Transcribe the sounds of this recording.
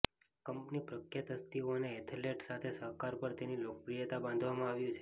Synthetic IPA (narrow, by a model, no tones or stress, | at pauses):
kəmpnipɾəkʰjat̪əst̪ioəneɛt̪ʰeleʈsat̪ʰesəɦkaɾpəɾt̪enilokəpɾijət̪abãnd̪ʱʋamãaʋjũt͡ʃʰe